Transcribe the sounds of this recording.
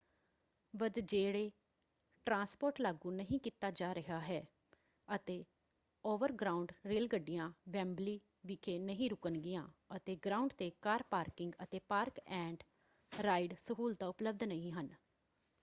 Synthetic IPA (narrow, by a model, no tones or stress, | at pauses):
ʋəd̪d͡ʒeːɽeː | ʈɾãːspoːɾʈlaːɡũːnəɦĩːkit̪aːd͡ʒaːɾəɦaːɦɛː | ət̪eː | oːʋəɾɡɾaːʊɳɖɾeːlɡəɖːɪjãːʋɛ̃ːmbliː | ʋɪkʰeːnəɦĩːɾʊkənɡɪjãːət̪eːɡɾaːʊɳɖt̪eːkaːɾpaːɾkɪŋɡət̪eːpaːɾkɛ̃ːɳʈ | ɾaːɪɖsəɦuːlt̪aːʊpləb̚d̪nəɦĩːɦən